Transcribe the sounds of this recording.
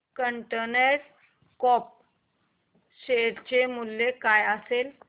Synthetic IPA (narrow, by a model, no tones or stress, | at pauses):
kəɳʈeneɾ | kɔp̚ | ɕeɾt͡ɕemulːekajəsel